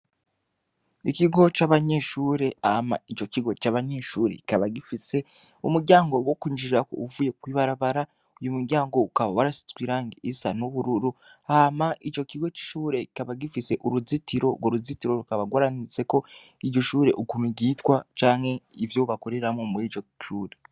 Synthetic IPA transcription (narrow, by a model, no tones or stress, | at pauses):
ikiɡo̞t͡ʃaβaɲe̞ʃuːɾe̞ama̰it͡ʃo̞kiɡo̞t͡ʃaβaɲe̞ʃuːɾe̞̰ki̥kaβaɡifise̞ | umuɾɟaːŋɡo̞wo̞kuɲd͡ʒiɾiɾako̰uvuːje̞kwiβaɾaβaɾa | ujumuɾɟaːŋɡo̞ukaβawaɾasi̥t͡swiɾaːŋɡiisa̰nuβuɾuɾuamaʔit͡ʃo̞kiɡo̞t͡ʃi̥ʃuːɾe̞ikaβaɡifise̞ʔuɾuzitiɾo̞̰ɡoɾuzitiɾo̞ɾukaβaɡwaɾanit͡se̞ko̞ | iɾɟo̞ʃuːɾe̞̰ʔukumiɡitwat͡ʃaːŋhe̞ivjoβako̞ɾe̞ɾamomuɾiːt͡ʃoʃuːɾe̞